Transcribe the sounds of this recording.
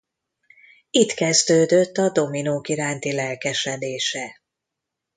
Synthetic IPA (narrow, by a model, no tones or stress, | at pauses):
it̪kɛzd̪øːd̪øt̪ːɒd̪o̞minoːkiɾaːnt̪ilɛlkɛʃɛd̪eːʃɛ